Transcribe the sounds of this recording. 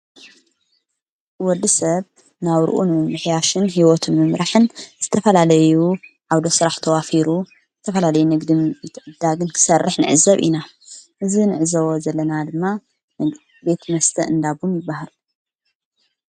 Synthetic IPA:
wɔd̪ːɨsɐβ | naβɾɨ̰ʔunmmːɨħjaʃɨnɦiwɔt̪ʰɨnmɨmɾaħɨnz̥ɨt̪ʰɐfɐlalɐjuʕawd̪osɨɾaħt̪ʰɐwafiɾu | zɨt̪ʰɐfɐlalɐjunɨɡd̪imbet̪ʰʕɨd̪ːaɡɨnkʰɨ̥sɐrːɨħnɨ̰ʕɨzɐβʔḭna | ʔɨzinɨʕɨzɐβozɐlːɐnad̪ɨmːa | be̞t̪mɐst̪ʰɐʔɨnd̪abumjɪbːahal

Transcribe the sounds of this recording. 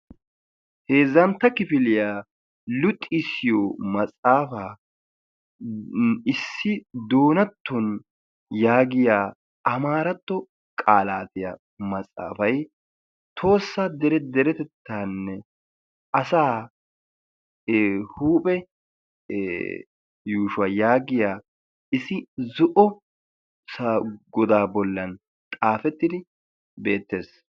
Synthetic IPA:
he̞ːzːɐnt̪ːɐkɪfɪlɪjaː | lʊt̪ʼːɪsːɪjɔmɐsʼaːfaː | ɪsːɪd̪o̞ːnɐt̪ʰːɔn | jaːɡɪjaː | ɐmaːɾɐt̪ːɔ | kʼaːlaːt̪ɪjɐ̰ | mɐsʼa̰ːfɐj | t̪ʰo̞ːsːad̪ɛɾɛd̪ɛɾɛt̪ɛt̪ːaːnːɛ | ʔɐsaː | huːpʼɛ | juːʃʊɐjaːɡɪjaː | ʔɪsɪzʊʔɔ | saɡɔd̪aːbɔlːɐn | t̪ʼaːfɛt̪ːɪd̪ɪ | be̞ːt̪ːe̞ːs

